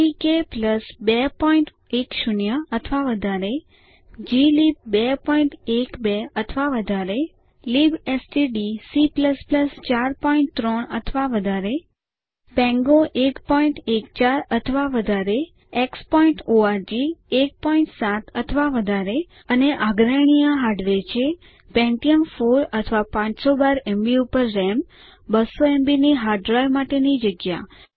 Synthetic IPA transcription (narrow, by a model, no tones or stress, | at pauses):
ikepləsbɛpɔiɳʈ | ekʃunjəət̪ʰʋaʋəd̪ʱaɾe | d͡ʒilib̚bɛpɔiɳʈekbeət̪ʰʋaʋəd̪ʱaɾe | libesʈiɖisipləspləst͡ʃaɾpɔĩɳʈ̚t̪ɾɔɳət̪ʰʋaʋəd̪ʱaɾe | pɛ̃ŋɡoʔekpɔiɳʈekt͡ʃaɾət̪ʰʋaʋəd̪ʱaɾe | ekspɔĩɳʈoaɾd͡ʒiek̚pɔiɳʈsãt̪ət̪ʰʋaʋəd̪ʱaɾe | əneʔaɡɾaɽ̃ijãɦaɖʋet͡ʃʰe | pɛ̃ɳʈijəmfoɾət̪ʰʋapãt͡ʃsobaɾɛmbiupəɾːɛm | bəsoembiniɦaɾɖɾajʋmaʈenid͡ʒəɡja̰